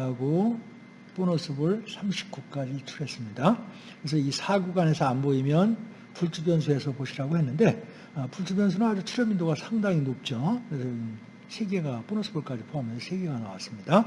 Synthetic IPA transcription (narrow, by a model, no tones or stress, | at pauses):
aɡo | p͈onʌsʰɯbɯɭsʰamɕʰi̥p̚k͈uk͈ad͡ʑit͡ɕʰuɾe̞s͈ɯmɲida | kɯɯɾes̬ʰʌisʰaɡuɡane̞sʰʌanboimjʌn | puɭt͡ɕ͈ʰubjʌnsʰue̞sʰʌpoɕʰiɾaɡohe̞nːɯnde̞ | ʌpuɭt͡ɕʰubjʌns̬ʰunɯnɦad͡ʑut͡ɕʰuɾjʌmindoɡasʰaŋdaŋinop̚t͡ɕ͈okɯɾe̞sʰʌi | sʰe̞ɡe̞ɡap͈onʌsʰɯbuɭk͈ad͡ʑipʰoɦamjʌnsʰʌsʰe̞ɡe̞ɡanawas͈ɯmɲida